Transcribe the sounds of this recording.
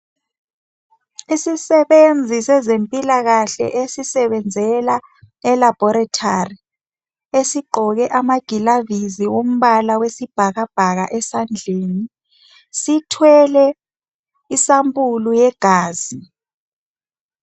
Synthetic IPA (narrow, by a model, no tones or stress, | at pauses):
isisɛɓend͡zʱisɛzempʼilaɣ̬aɬɛ̰ʔesisɛɓɛnd͡zʱɛla | ɛlab̥ʱɔɾatʰari | esiɡ͡ǃʱɔk̬ɛʔamaɡ̥ʱilaviziwom̩ɓalawesib̥ʱaɣab̥ʱaɣ̬a̰ʔɛsand͡ɮʱeːni | sitʰwɛlɛ | isampʼulujɛɡ̥ʱaːzi